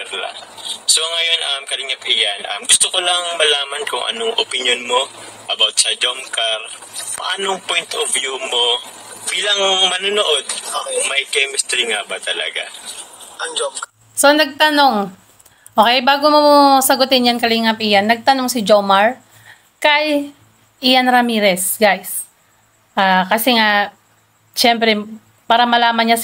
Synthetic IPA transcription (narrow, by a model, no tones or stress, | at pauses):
la̰so̞ŋɐjo̞nʔɐmkɐlɪŋap̚ʔɪjanʔɐ̰mɡʊst̪okolɐŋmɐlaːmɐnkʊŋʔɐ̰noŋʔopɪnjonmo̞ | ʔɐbawt̪̚sɐd͡ʒomkɐɾ | pɐ̰ʔa̰ːnoŋpojnt̪ʔovjumo̞ | biːlɐŋmɐnonoʔo̞d̪̚mɐjkɛmɪst̪ɾiŋabɐt̪ɐlɐ̰ɡa̰ | so̞nɐɡ̚t̪ɐno̞ŋ | ʔoːkɛjbaːɡomosɐɡʊt̪ɪnjankɐliŋɐp̚ʔɪjanːɐɡ̚t̪ɐno̞ŋsɪd͡ʒomɐɹ | kɐj | ʔɪjanɾɐmiːɾɛsɡajs | ʔaːkɐsɛŋa | ʃɛmpɾɛ | paːɾɐmɐlaːmɐnɲa